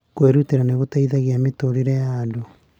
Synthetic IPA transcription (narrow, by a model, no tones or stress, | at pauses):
kweɾuteɾaneɣotaiðaɣeametoɾiɾejaːdo